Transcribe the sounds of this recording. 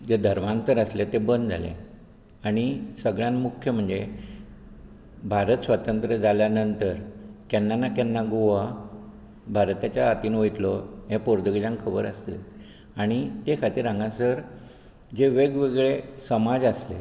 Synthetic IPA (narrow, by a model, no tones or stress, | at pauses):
d͡zed̪ʱəɾmant̪əɾəslet̪ebənd̪d͡zʱa̰lḛ | aɽ̃isəɡɭjãnmukʰːjəm̤əɳd͡ze | bʱaɾət̪sʋat̪ənt̪ɾəd͡zaljanənt̪əɾkenːanːakenːaɡoʋa | bʱaɾt̪at͡ɕjaːt̪iːnojt̪lɔɦẽpoɾd̪əɡd͡ʑãŋkʰəbəɾəst̪ḛ | aɽ̃it̪ekʰat̪iːɾãŋɡãsəɾ | d͡zeʋeɡʋeɡɭesəmad͡zəsle